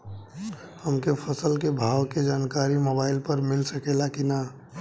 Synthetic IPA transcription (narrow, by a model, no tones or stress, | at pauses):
həmkepʰəsəlkebʱaːwked͡ʒaːnkaːɾimoːbaːɪlpəɾmɪlsəkeːlakina